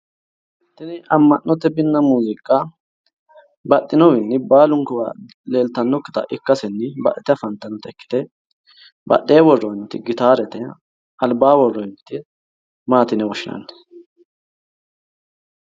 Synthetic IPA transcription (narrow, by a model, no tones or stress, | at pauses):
t̪ːɪnɪɐmːɐnːɔt̪ːɛbɪnːɐmuːzɪkʼːa | bɐɗːɪnɔwɪnːɪbaːlʊŋkʊwɐ̰ | le̞ːlt̪ɐnːɔkːɪ̥t̪ɐ̰ʔɪkːɐsɛnːɪbɐ̰ʔɛt̪ɛfɐnt̪ːɐnːɔt̪ɛkːɪ̥t̪ɛ | bɐ̰ɗeːwɔrːɔɪnt̪ːɪɡɪt̪aːɾɛt̪ɛ | ɐlbaːwɔrːɔɪnt̪ːɪ | maːt̪ɪnɛwɔʃɪnɐ̰nː